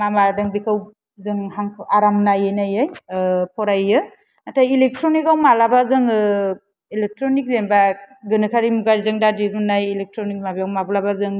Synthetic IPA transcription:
mamadɯŋdikʰɯw | zɯŋhaŋkʰaɾamnajɯnajajpʰɔɾajɯ | atʰajilek̚tʰɾɔnikawmalabazɯŋɯ | ilek̚tʰɾɔnik̚zembaɡɯnɯkʰaɾimuɡaɾizɯŋdadiɾɯnajilek̚tʰɾɔnik̚mabijawmablabazɯŋ

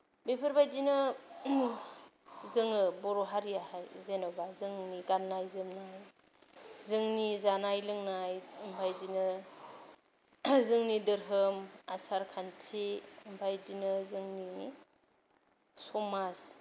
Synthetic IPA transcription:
bepʰɯɾbajdinɯ | zɯŋɯbɔɾɔɦaɾijahajzenɯbazɯŋniɡanːajzɯmnaj | zɯŋnizanajlɯŋnajɯmbʰajdinɯ | zɯŋnidɯɾɦɯmasaɾkʰantʰiːmpʰajdinɯzɯŋni | sɔmas

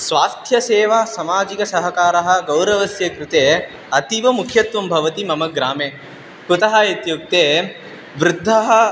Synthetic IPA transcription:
sʋaːst̪ʰjɐseːʋasɐmaːd͡ʒikɐsɐɦɐkaːɾɐɦɐ̆ɡɐwɾɐʋɐsjɐkɾɪt̪eː | ɐt̪iʋɐmukʰjɐt̪ʋɐmbʱɐʋɐt̪imɐmɐɡɾaːmeː | kut̪ɐɦɐet̪juk̚t̪eː | ʋɾɪd̪ʱːɐɦɐ̆

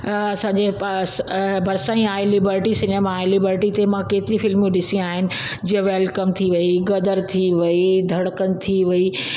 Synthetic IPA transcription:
ɐsãːɲd͡ʑesbʱɐɾsãːĩaːelɪbəɾʈisɪneːmaːelɪbəɾʈit̪emãkeːt̪ɪɾifɪlmũɗɪsĩaːɦɪnɪ̆ | d͡ʑiːə̃ʋɛːlkɐmt̪ʰiʋɐiɡɐd̪əɾt̪ʰiʋɐid̪ʱɐɽəkənɪ̆t̪ʰiʋɐi

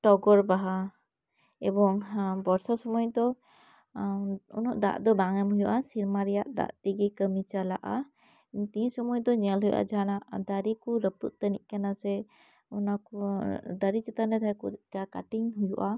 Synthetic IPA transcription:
ʈɔɡɔɾbaɦa | ɛbɔŋbɔɾsɔsɔmɔjd̪ɔ | ṵnɔʔd̪a̰ʔd̪ɔbaŋɛmɦujuʔasiɾmaɾɛjaʔd̪a̰ʔt̪iɡikəmit͡ʃalaʔa | t̪isɔmɔjd̪ɔɲɛlɦujṵʔa̰d͡ʒaanaʔd̪aɾikuɾəput̪̚t̪əniʔkanasɛ | unakud̪aɾit͡ʃɛt̪anɛd̪ajkudɛkakaʈiŋɦujuʔa

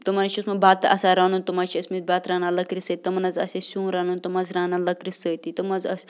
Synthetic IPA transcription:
t̪umɐnt͡ʃʰiusmɐbaːt̪ɐ̰saɾɐːnunt̪umat͡ʃʰiɐsmibaːt̪ɾaːnalɐkɾisət̪ʲit̪ɐmɐnɐzɐsesũːɾɐːnũnt̪umɐzɾaːnalɐkɾisəːt̪it̪ɐmɐzɐs

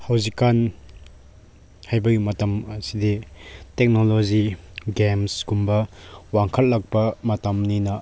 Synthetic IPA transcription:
hɐwzikːan | hajbɐɡimɐtɐmɐsiditek̚noloziɡemsɡumbɐwaŋkʰɐt̚lɐk̚pɐmɐtɐmninɐ

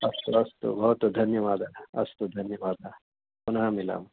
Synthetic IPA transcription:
ɐst̪uɐst̪ṵbɐɦut̪d̪ʱɐnjɐʋaːd̪ʱaɐst̪ud̪ʱɐnjɐʋaːd̪ʱa | punɐɦamila̰ːm

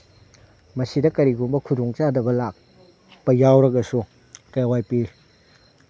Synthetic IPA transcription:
mɐsidɐkɐɾiɡumbɐkʰudoŋt͡ʃadɐbɐlak̚ | pɐjawɾɐɡɐsu | kajwajpi

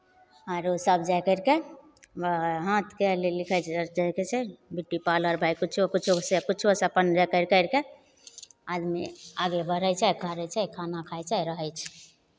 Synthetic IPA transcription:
aɾosəbd͡ʒajkəɾke | ɦãt̪kelelikʰət͡ʃʰɛd͡ʒajket͡ʃʰɛbiʈːipaləɾbʱajkut͡ʃʰokut͡ʃʰusekut͡ʃʰoseəpənd͡ʒakəɪɾkəɾke | ad̪miaɡebəɾəjt͡ʃʰɛjkʰaɾət͡ʃʰakʰanakʰajt͡ʃʰaɾəɦəjt͡ʃʰɛ̥

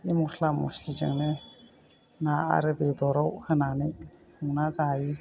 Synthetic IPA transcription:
imuɾʰlamuslizɯ̰ŋne | naa̰ɾɯbed̪ɔɾɔwhɯnani | uŋnazaji

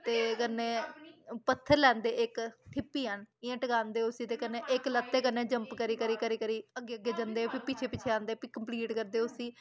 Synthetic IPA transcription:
t̪eːkənːeːpət̪ʰːəɾlɛ̃ːnd̪eːʔɪkʈʰɪpːiːɦənɪjãːʈəkãːnd̪eːʊsiːt̪eːkənːẽːʔɪklət̪ːeːkənːẽːd͡ʒəmpkəɾiːkəɾiːkəɾiːkəɾiːəɡːeːəɡːeːd͡ʒənd̪eːpipit͡ʃʰeːpit͡ʃʰeːãːnd̪eːpiːkəmpliːʈkəɾd̪eːʊsiː

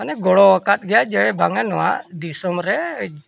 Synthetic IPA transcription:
anɛɡɔɽɔwakat̪̚ɡɛjaʔd͡ʒawɛbaŋanːɔwa̰ʔd̪isɔmɾɛ

